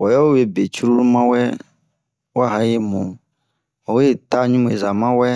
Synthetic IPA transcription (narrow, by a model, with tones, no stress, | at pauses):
wɔ˨jɔ˦wo˦je˨be˨t͡ʃɾu˦u˦mã˦wɛ˦ | wo˦a˦ɦã˦je˦mɔ̃˨ | wɔ˨we˦t̪a˦ɲũ˦m˨ḛ˨za˨mã˦wɛ˦